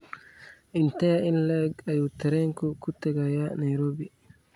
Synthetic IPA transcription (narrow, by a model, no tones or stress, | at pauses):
ʔint̪ɛjaʔinlɛɡajut̪ːɛɾɛŋkɔkut̪ːɛɡajanajɾoːbi